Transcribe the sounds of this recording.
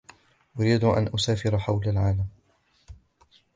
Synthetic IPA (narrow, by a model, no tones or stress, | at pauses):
ʔʊɾiːd̪ʔa̰nʔʊsaːfɪɾaħawlalʕaːlam